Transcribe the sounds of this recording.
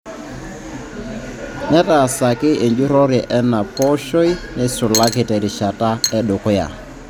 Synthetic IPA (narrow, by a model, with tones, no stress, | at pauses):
nɛ˦ta˨sa˨kɪ˦ʔe˨ɲd͡ʒu˦ɾɔ˦ɾɪ˨ʔɛ˦na˨pɔ˦ʃo˦i˦nɛ˦sʊ˨la˦kɪ˨tɛ˨ɾi˨ʃa˨ta˦ɛ˦ɗʊ˨kʊ˦ja̰˨